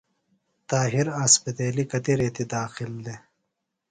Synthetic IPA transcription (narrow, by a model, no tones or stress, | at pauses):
t̪aːɦiɾaːspɐt̪eːlikɐt̪iɾeːt̪id̪aːxild̪e